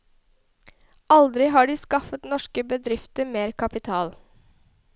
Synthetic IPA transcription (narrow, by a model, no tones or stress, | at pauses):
ʔɑld̪ɾɪɦɑːɖiːskɑfət̪nɔʃkəbəd̪ɾɪft̪əɾmeːɾkʰɑpɪt̪ʰɑːl